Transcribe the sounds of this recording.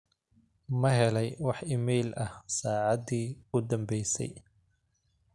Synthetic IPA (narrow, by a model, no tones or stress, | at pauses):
mɐɦɛlɛjwɑħɪmɛjlɐhsaːʕɑðiːʊd̪ɐmbɛjsɛ̰j